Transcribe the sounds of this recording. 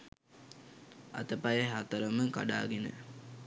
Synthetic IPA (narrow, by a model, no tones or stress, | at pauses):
a̰t̪əpajəɦat̪əɾəməka̰ɖa̰ːɡenə̰